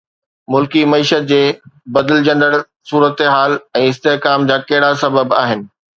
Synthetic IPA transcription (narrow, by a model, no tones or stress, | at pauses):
mʊlkimɐiːʃət̪̚d͡ʑeːbɐd̪əld͡ʑɐ̃nd̪əɽ | suːɾət̪ɦaːlɛ̃ːɪst̪eɦkaːmd͡ʑaːkɐɦɪɽasɐbəba̰ːɦɪnɪ̆